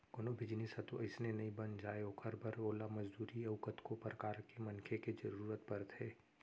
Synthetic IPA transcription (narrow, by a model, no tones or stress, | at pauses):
konobʱɪd͡ʒnisɐt̪oʔɐɪsnenɐĩbɐnd͡ʒaːeokʰɐɾbɐɾoːlamɐd͡ʒd̪uːɾiɐʋkət̪kopɾɐkaːɾkemɐnkʰeked͡ʒɐɾuːɾət̪bɐɾt̪ɦeː